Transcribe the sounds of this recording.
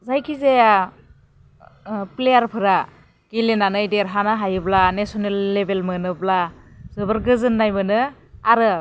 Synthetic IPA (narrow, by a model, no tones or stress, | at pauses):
zajkʰize | plejaɾpʰɯɾa | ɡ̥ilenanɯjdeɾɦanɯɦajɯblanesɔnelːebelmɯnɯblazɯbɯɾɡɯzɯnːajmɯnɯ | aɾɯ